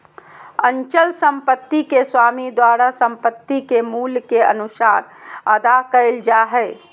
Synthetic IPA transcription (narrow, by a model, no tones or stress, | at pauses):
ənt͡ʃəlsə̃mpət̪ːikeswaːmid̪waːɾasə̃mpət̪ːikemuːlkeə̰nʊsaːɾəd̪akəɪld͡ʒaɦɛː